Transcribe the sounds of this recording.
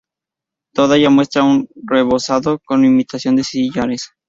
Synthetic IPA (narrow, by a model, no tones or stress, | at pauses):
t̪o̞ðaʝamwe̞st̪ɾaunre̞βo̞saðoko̞nimit̪asjo̞nd̪esiʎaɾes